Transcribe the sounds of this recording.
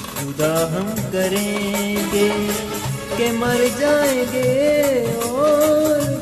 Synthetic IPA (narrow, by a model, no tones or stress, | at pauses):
xʊd̪aːɦɐmkɐɾẽːɡeː | kemɐɾd͡ʒaːẽɡe | ɔːɾ